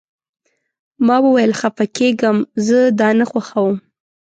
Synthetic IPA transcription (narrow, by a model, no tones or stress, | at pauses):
mɑwəwajəlxafakʰeɡəmzəd̪ɑnaxwaxawəm